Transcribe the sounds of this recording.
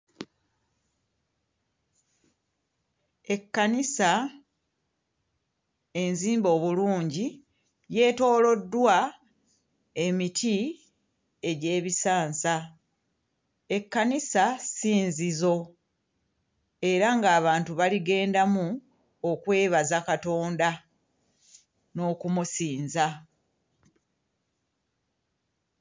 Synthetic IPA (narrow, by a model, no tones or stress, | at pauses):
e̞kːanisa | e̞nziːmbo̞ːβuluːɲɟi | je̞ːto̞ːlo̞dːwa | e̞mitʰi | e̞ɟe̞ːβisaːnsa | e̞kːanisasiːnzizo̞ | e̞ɾaŋɡaːβaːntuβaliɡe̞ːndamu | okwe̞ːβazakato̞ːnda | no̞ːkumusiːnza